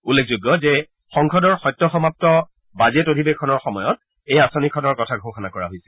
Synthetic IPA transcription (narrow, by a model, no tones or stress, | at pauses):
ulːek̚ʰzuɡːɔzɛ | xɔŋkʰɔdɔɹxɔjtːɔxɔmap̚tɔ | bazetodʱibekʰɔnɔɹxɔmɔjɔt̚ | ejasɔnikʰɔnɔɹkɔtʰaɡʱoxɔnakɔɹaɦojsɛ